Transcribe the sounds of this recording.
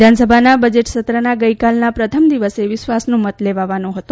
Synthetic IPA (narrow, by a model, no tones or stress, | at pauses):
d̪ʱansəbʱanabəd͡ʒeʈsət̪ɾənaɡəikalnapɾət̪ʰəmd̪iʋəseʋɪʃʋasnũmət̪leʋaʋanũɦət̪ũ